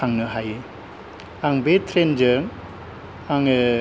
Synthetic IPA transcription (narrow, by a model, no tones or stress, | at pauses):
aŋnɯɦajɯ | aŋbetʰɾend͡ʒɯŋ | aŋ